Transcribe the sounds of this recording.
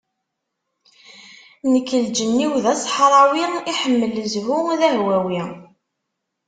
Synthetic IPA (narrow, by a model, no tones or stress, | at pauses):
nəkːəld͡ʒənːiwðæsˤħɾˤɑwiiħəmːələzvuðæɦwæwi